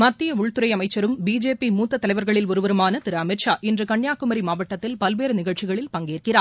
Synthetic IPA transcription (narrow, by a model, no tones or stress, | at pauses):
mɐt̪ːɪjɐʊɭt̪ɯɾɐjɐmɐɪt͡ʃːɐɾɯmbiːd͡ʒeːpimuːt̪ːɐt̪ːɐlɐɪʋɐɾɣɐɭɪlʊɾɯʋɐɾɯmaːnɐt̪ɪɾɐɐmɪʈʂaːʔɛndrɯkɐɳːjaːkːɯmɐɾimaːʋɐʈːɐt̪ːɪlpɐlʋeːɾɯnɪɣɐɭt͡ʃɪɣɐɭɪlpɐŋɡeːrkɪraː